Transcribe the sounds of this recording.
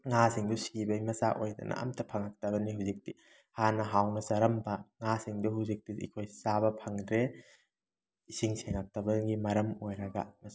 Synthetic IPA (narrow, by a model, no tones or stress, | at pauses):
ŋasiŋdusibɐjmɐsaʔojdɐ̰nʔɐ̰ɐ̰mtɐpʰɐŋɐk̚tɐbɐniɦuwzik̚ti | hanɐɦawnɐsɐɾɐmbɐŋasiŋduhuzik̚tiḭkʰojsabɐpʰɐŋdɾe | isiŋseŋɐk̚tɐbɐɡimɐɾɐmojɾɐɡɐ̰mɐs